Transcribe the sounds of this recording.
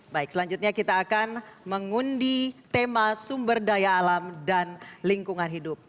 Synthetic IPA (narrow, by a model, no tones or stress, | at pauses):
baɪk̚səlaɲd͡ʒut̪̚ɲakit̪aːkanməŋundit̪emasumbərdajaːlamdanliŋkuŋanɦidʊp̚